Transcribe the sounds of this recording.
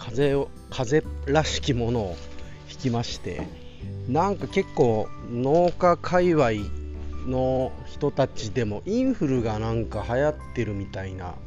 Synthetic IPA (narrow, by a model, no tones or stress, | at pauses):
kʰaze̞ | kʰaze̞ɾaɕi̥kʲimo̞no̞ː | çi̥kʲimaɕi̥t̪e̞̰ | nãŋkake̞kːo̞ːno̞ːkakʰaiβaino̞çi̥t̪o̞t̪at͡ɕid̪e̞mo̞ʔĩɰ̃ɸɯ̟ɾɯ̟ɡanãŋkahajat̪ːe̞ɾɯ̟mʲit̪aina̰